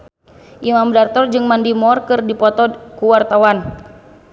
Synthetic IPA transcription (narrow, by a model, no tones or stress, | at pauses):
ʔimamdart̪ɔrd͡ʒɨŋmandimɔrkɨrdipɔt̪ɔkuwart̪awan